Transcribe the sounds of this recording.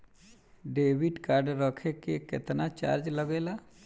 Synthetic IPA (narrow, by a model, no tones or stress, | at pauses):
ɖeːʋiɖkaːɾɖɾəkʰekekɪ̰t̪nat͡ʃa̰ːɾd͡ʒləɡela